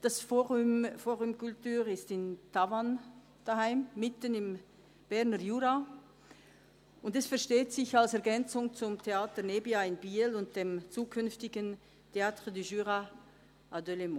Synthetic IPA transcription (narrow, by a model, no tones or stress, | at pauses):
d̥asfoʁmfoːʁymkʊltyːʁɪstɪntʰavan | d̥ahaɪmːɪtənɪm | b̥ɛʁnəjuːʁa | ʊndɛsfɛɐʃteːtsɪçalsɛɐɡɛnt͡sʊŋt͡sʊmtʰeaːtənebiaɪnbiːlʊnt̚d̥emt͡suːkʰʏnftɪɡən | tʰeaːtʁədiʒyːʁa | ʔadølemu